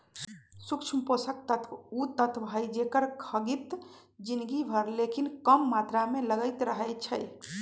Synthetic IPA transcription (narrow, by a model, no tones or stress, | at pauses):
sukt͡ʃʰmposək̚t̪ət̪ʰut̪ət̪ʰbʱəjd͡ʒekəɾkʰəɡit̪d͡ʒinɡibʱəɾlekinkəmːat̪ɾameləɡəjt̪ɾəɦəjt͡ʃʰəj